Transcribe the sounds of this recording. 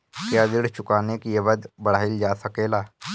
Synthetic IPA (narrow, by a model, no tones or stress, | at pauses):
kjad̪ɪɽt͡ʃʊkaːnekieʋəd̪bəɽ̤aːild͡ʒaːsəkeːlaː